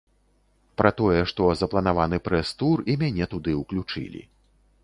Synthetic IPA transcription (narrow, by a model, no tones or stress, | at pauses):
pɾʔat̪ɔjɛʂt̪ɔzɐplˠɐnavanɨpɾɛst̪urimʲanʲɛt̪ud̪ɨwklʲut͡ʂɨ̰lʲḭ